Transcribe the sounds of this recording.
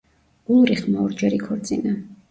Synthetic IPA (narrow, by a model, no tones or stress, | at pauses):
ulˠɾiχmaɔɾd͡ʒɛɾikʰɔɾt̪sʼina